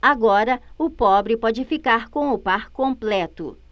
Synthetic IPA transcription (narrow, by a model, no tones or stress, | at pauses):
aɡɔɾɐʊpɔbɾɪpɔd͡ʒɪfikaɾkõw̃ʊpaɾkõmplɛt̪ʊ̰